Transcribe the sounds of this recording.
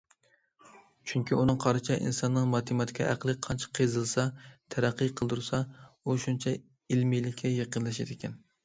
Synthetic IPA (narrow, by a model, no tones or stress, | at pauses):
t͡ʃʰyŋkʲʰiunɨŋqʰɑɾɨt͡ʃʰɛʔḭnsɑnːɨŋmɑt̪ʰɨmɑt̪ʰɪ̥kʲʰɑʔæqlˠɨk̚ʲqʰɑnt͡ʃʰɪ̥qʰezɨlˠsɑt̪ʰæɾæqːɨjqʰəlˠd̪uɾsɑuʃunt͡ʃʰɛ | ilmijlɪkʲʰːɛjeqənlˠɛʃæd̪ɪkʲɛn